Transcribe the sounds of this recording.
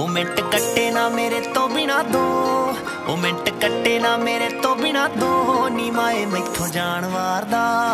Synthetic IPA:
oːmẽʈkəʈːeːnãːmeːɾeːt̪oːbinãːd̪ʱoː | oːmẽːʈkəʈːeːnaːmeːɾeːt̪oːbinãːd̪ʱoːniːmaːeːməɪkt̪ʰoːd͡ʒaːɳ̃ʋaːɾd̪aː

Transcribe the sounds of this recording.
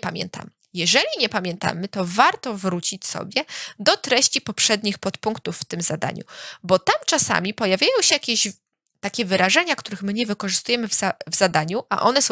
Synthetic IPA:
pamʲjɛ̰nt̪ʰa̰m | jɛʐɛlʲiɲɛpamʲjɛnt̪a̰mɘt̪ɔvaɾt̪ɔvɾut͡ɕit͡ɕsɔ̰bʲjɛd̪ɔt̪ɾɛɕt͡ɕipɔpʂɛd̪ɲixpɔt̪puŋkt̪ufːt̪ɘmzad̪a̰ɲṵbɔt̪amt͡ʂasa̰mʲipɔjavʲjajɔ̃w̃ɕɛjakʲeʑ | t̪akʲɛvɘɾaʐɛɲakt̪uɾɘxmɘɲɛvɘkɔʐɨst̪ujɛmɘvavz̥ad̪aɲuʔa̰ʔɔnɛsɔ̃

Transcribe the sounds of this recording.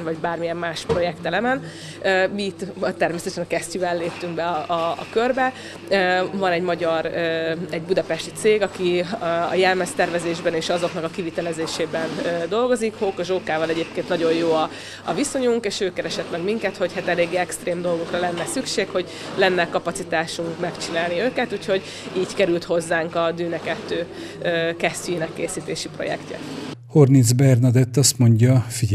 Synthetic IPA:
nvɒɟbaːrmijɛmːaːʃpro̞jɛkt̪ɛlɛmɛn | øːmiːt̪ːt̪ɛrmesɛt̪ɛʃɛnkɛstyvɛlleːpt̪yŋɡbɛɒɒ̰ːkørbɛ | øːvɒnɛɟmɒɟɒɾøɛɟbud̪ɒpɛʃt̪it̪seːɡɒkiɒ̰jɛlmɛst̪ɛrvɛzeːʒbɛneːʃɒzo̞knɒkɒkivit̪ɛlɛzeːʃeːbɛnøːd̪o̞lɡo̞zikhoːkɒʒoːkaːvɒlɛɟeːp̚keːnt̪nɒɟo̞jjoːɒ | ɒviso̞ɲuŋkeːʃøːkːɛɾɛʃɛt̪mɛɡmiŋkɛt̪ho̞chat̪ɛleːɡːeːɛkst̪reːmd̪o̞lɡo̞krɒlɛnːɛsykʃeːkho̞ɟ | lɛnːɛkɒpɒt̪sit̪aːʃuŋkmɛkt͡ʃinaːlniøːkɛt̪uːcho̞ɟ | iːɟkɛɾylt̪ho̞zːaːŋkɒd̪yːnɛkɛt̪ːøː | øːkɛsynɛkːeːsiːt̪eːʃipro̞̰jɛ̰kcɛ̰hornizbɛrnɑd̪ɛt̪ːɒst̪mo̞ɲɟɒfiɟ

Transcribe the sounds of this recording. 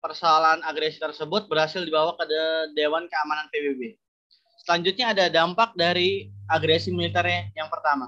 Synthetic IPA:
pərsoalanaɡɾesi̥t̪ərsəbʊt̪̚bərhasɪldibawakadadewankəamananpebebe | səlaɲd͡ʒʊt̪̚ɲaːdadampak̚daɾiaɡɾesimilit̪ɛrɲajaŋpərt̪ama

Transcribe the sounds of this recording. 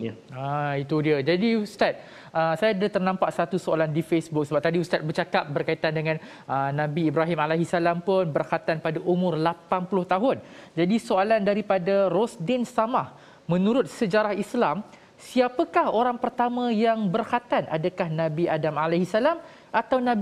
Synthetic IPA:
ait̪udiəd͡ʒadiust̪at̪̚ | ʔəsajadət̪ərnãmpaʔsat̪usoalandifesbʊk̚səbap̚t̪adiust̪at̪̚bərt͡ʃakap̚bərkait̪andəŋãn | ənãbiːbɾaɦimalaɦisalampʊnbərkat̪anpadaʔumʊrlapanpulʊht̪aɦʊnd͡ʒadisoalandaɾipadaɾɔsdɛnst̪amah | mə̃nũɾʊt̪̚səd͡ʒaɾahislam | siapəkahoɾaŋpərt̪amãjaŋbərhat̪anʔa̰dakahnãbiʔadamalahisalam | ʔat̪awnãb

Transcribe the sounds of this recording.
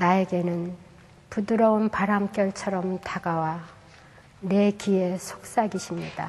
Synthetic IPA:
nae̞ɡe̞nɯn | pudɯɾʌunpaɾamk͈jʌɭt͡ɕʰʌɾʌmtaɡawa | ne̞kie̞sʰo̥k̚s͈aɡiɕʰimɲid̥a̰

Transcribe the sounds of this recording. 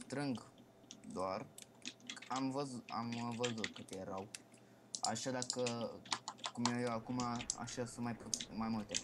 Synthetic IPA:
tɾiŋɡ | dwaɾ | amvaza̰mvazokəteɾaw | a̰ʃadakə | kumejowakumaa̰ʃasumapmamote

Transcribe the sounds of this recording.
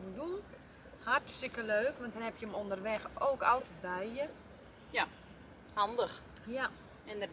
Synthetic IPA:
ədun | hartstəkəløːkʋɑntdɛnhɛpjəmondərʋɛxoːkɑ̰lˠtət̚bɛjjə | ja | handəx | ja | ɛndə

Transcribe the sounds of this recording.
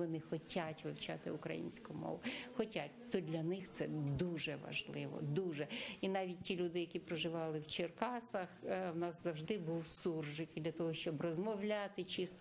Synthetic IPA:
ʋɔnɪxɔtʲʰatʲʋɪwt͡ʃɑ̰t̪ɪʊkɾɐ̰jḭnʲsʲkʊmɔ̰ʋʊxɔtʲat̚ʲt̪ɔdʲlʲɐnɪxt̪sɛd̪uʒɛʋɐ̰ʒlˠɪʋɔ̰d̪uʒɛinɑʋʲitʲtʲilʲud̪ɪjɐkʲipɾɔʒɪʋɑlˠɪwt͡ʃerkɑsɐxwnɑzzɐwʒd̪ɪbuwsurʒɪkd̪ʲlʲɐt̪ɔɦɔʃt͡ʃɔbrɔzmɔwlʲat̪ɪt͡ʃist̪

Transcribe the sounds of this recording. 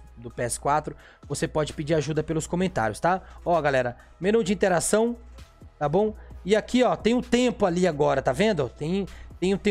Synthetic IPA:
d̪ʊpeɛsɪ̥kwat̪ɾʊ | vosepɔd͡ʒɪpɪd͡ʒiɾaʒud̪ɐpelʊskõmẽnt̪a̰ɾjʊst̪aɔɡalɛɾɐ | mẽɾnõw̃d͡ʒɪĩnt̪eɾasɐ̃w̃t̪abõw̃ɪakiɔt̪ẽj̃ʊt̪ẽpʊaliaɡɔɾɐt̪avẽnd̪ʊt̪ẽj̃t̪ẽj̃ʊt̪ẽ

